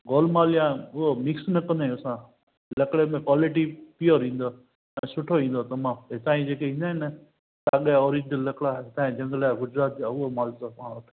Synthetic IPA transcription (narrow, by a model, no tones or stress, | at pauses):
ɡoːlmaːlijãʊɦomɪksnɐkɐ̃nd̪eʊsã | lɐkɽemẽkaːlɪʈ̬ipijoɾĩːn̆d̪o | ɛ̃ːsʊʈʰoĩːnd̪ot̪ɐmãːet̪aːĩd͡ʒeːkeĩːnd̪aːnə | t̪aːɠaɔːɾĩd͡ʑəlːɐkɽat̪ãːĩd͡ʒɐ̃ŋɡlaːɡʊd͡ʑɾaːt̪̚d͡ʑaʊɦomaːlt̪oãɐt̪ʰ